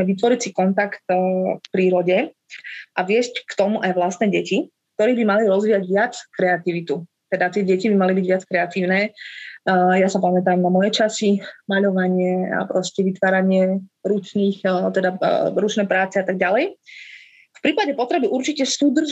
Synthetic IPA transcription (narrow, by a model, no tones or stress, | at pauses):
ɛʋit̪ʋɔɾicsikɔnt̪akt̪kpɾiːɾɔɟɛ | ʔaʋɪɛsckt̪ɔmuʔajʋlast̪nɛːɟɛcik̚t̪ɔɾiːbimaliɾɔzʋiːjaɟʋɪat͡skɾɛat̪iʋit̪u | t̪ɛd̪at̪ɪɛɟɛcibimalibiɟʋɪat͡skɾɛat̪iːʊnɛː | jasapamɛt̪aːmnamɔjɛt͡ʃasimaʎɔʋaɲɪɛa̰pɾɔscɛʋit̪ʋaːɾaɲɪɛɾut͡ʃniːxt̪ɛd̪aɾut͡ʃnɛːjpɾaːt͡sɛat̪aɡ̚ɟalɛj | fpɾiːpaɟɛpɔt̪ɾɛbiʔuɾt͡ʃicɛsud̪r̩ʒ